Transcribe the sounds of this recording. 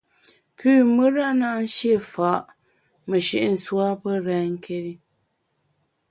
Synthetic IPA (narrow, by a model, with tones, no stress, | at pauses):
pʰʉː˦˨mɨ˦ɾa˦˨na˦n̩˦ʃje˦˨fa˨˦ʔ | mə˨ʃi˨ʔn̩˨swa˦pə˦ɾɛː˨˦ŋ̩˦kʰe˦ɾi˦